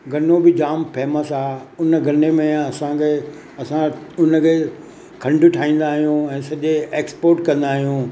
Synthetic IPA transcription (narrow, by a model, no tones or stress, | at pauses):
ɡʱɐnobɪd͡ʑaːmpeːməsaːʊnəɡʱɐnemẽɐsãke | ɐsãʊnəkʰe | kʰɐ̃ɳɖʊʈʰaːĩːn̆d̪aːɦijũɛ̃ːsɐʄeeːkspoːɾʈkɐ̃nd̪aːɦijũː